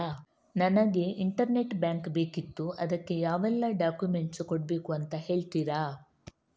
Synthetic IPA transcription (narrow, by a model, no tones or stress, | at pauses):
nɐnɐɡe̞ʔiɳʈɐɾne̞ʈbjaːŋkbe̞ːkit̪ːuɐd̪ɐkːe̞jaːʋɛlːɐɖaːkjume̞ɳʈskoɽbe̞ːkuɐnt̪ɐhe̞ːɭt̪iɾaː